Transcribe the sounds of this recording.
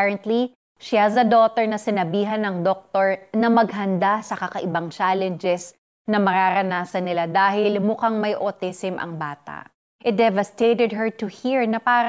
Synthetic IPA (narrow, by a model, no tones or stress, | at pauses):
ɹɐnt̪li | ʃihɐsɐd̪ot̪ɛɹnɐsɪnɐbiːɦɐnɐŋd̪ok̚t̪oɹnɐmɐɡ̚ɦɐnd̪asɐkɐkɐʔɪbaŋt͡ʃalɛnd͡ʒɛs | nɐmɐɾaɾɐnaːsɐnːɪlad̪aːɦɪlmʊkaŋmɐjʔot̪ɛsɪmʔɐ̰ŋbaːt̪a̰ʔ | ʔɪt̪̚d̪ɛvɐst̪ejt̪ɛd̪̚ɦɛɹt̪ʊhiɹnɐpaːɾ